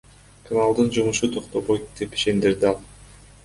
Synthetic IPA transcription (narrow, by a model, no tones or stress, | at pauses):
kʰanalˠd̪ɯnd͡ʒumuʃut̪ʰoqt̪o̞βojt̪d̪epi̥ʃe̞nd̪iɾd̪ɪɑlˠ